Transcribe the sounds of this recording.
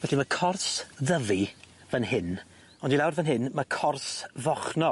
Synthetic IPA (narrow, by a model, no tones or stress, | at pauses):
vɛɬimakʰɔrsðəvi | vənɦɪn | ɔndilawrvənɦɪnmakʰɔrsvɔχnɔ